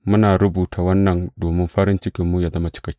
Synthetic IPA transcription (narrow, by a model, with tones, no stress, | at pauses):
mʊ˦naː˨ɾʊ˦buː˨tʰa˨wɐ˦nːɐ˨ndoː˨mɪ˦mɸɐ˦ɾɪ˦nt͡ʃɪ˦kʲɪ˨mːu˦ja˨zɐ˦ma˦t͡ʃɪ̥˦kɐ˦kʲːi˦